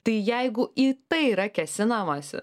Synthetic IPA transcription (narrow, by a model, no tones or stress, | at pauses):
t̪ɐɪjɛɪɡʊit̪ɐɪiɾɐkʲɛsʲɪnɐmɐsʲɪ̰